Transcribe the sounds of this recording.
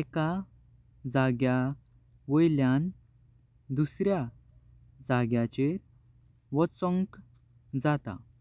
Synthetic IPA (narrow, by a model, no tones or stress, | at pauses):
eka | d͡zaɡja | ʋəjljan | d̪usɾja | d͡zaɡjat͡ɕe | ʋɔt͡səŋk | d͡zat̪a̰